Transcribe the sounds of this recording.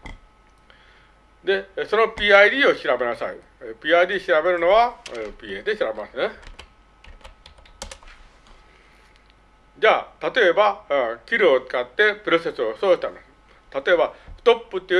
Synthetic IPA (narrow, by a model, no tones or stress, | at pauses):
d̪e̞so̞no̞pʲiːaid̪iːo̞ɕiɾabe̞nasaḭ | pʲiːaid̪iːɕiɾabe̞ɾɯ̟no̞βapʲiːed̪e̞ɕiɾabe̞masɨne | d͡ʑaːt̪at̪o̞e̞bakʲiɾɯot͡sɨ̥kat̪ːe̞pɯ̟ɾo̞se̞sɨosoːɕi̥t̪ãnd̪o | t̪at̪o̞e̞baɸɯ̟̥t̪o̞pːɯ̟t̪ːejɯ